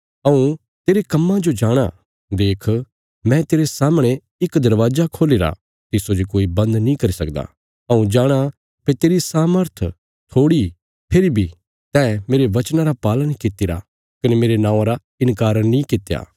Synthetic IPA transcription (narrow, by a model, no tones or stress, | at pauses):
ɐũ | t̪eːɾekɐmːãd͡ʒod͡ʒaːɽ̃a̰ | d̪eːkʰ | mɛ̃t̪eːɾesaːmɽ̃e | ɪkd̪ɐɾʋaːzakʰoːleːɾa̰ | t̪ɪsod͡ʒikoːibɐ̃nd̪nĩkɐɾisɐkd̪a̰ː | ɐũd͡ʒaːɽ̃a | pet̪eːɾisaːməɾt̪ʰ | t̪ʰoːɽi | pʰɪɾibʱi | t̪ɛːmeːɾeʋɐt͡ʃnaɾapaːlənkɪt̪ːiɾa̰ | kɐnemeːɾenãːãɾa | ɪ̃nkaːɾənĩkɪt̪ːeja̰ː